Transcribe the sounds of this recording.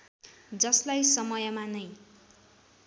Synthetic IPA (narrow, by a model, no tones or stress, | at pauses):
d͡zʌslajsʌmʌjʌmanʌj